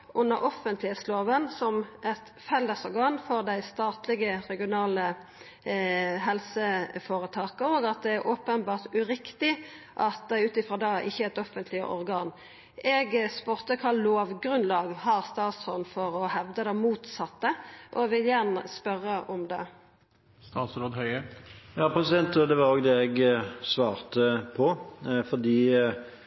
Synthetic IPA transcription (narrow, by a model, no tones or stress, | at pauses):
ʉnːəʔɔfənt̪lɪheːt̪sloːʋənsɔmɛt̪fɛlːəsɔʁɡɑːnfɔʁd̪æɪst̪ɑːt̪lɪɡəʁɛɡɪʊnɑːlə | ɦɛlsəfoːʁət̪ʰɑːkəoːɡɑt̪̚d̪ɛæɾʔoːpənbɑːʁt̪ʉɾɪkt̪ɪ | ʔɑt̪̚d̪æʉːt̪ɪfʁɑːd̪ɑːʔɪçːəɛt̪ɔfənt̪lɪə̰ʔɔʁɡɑːn | ʔɛɡspʉɾt̪əkʰɑːloːʋɡɾʉnlɑːɡhɑːʁst̪ɑːt̪sʁɔnfɔɾɔhɛʋd̪əd̪ɛmuːt̪sɑt̪ːəʔɔʋɪljænəspœʁːəʔɔmd̪ɛ̰ | st̪ɑːt̪sɾoːd̪hœʏəjɑːpʰɾɛsɪd̪ɛnt̪od̪ɛʋɑɾoːɡd̪ɛɛɡsʋɑːʁt̪əpʰɔfɔʁd̪iː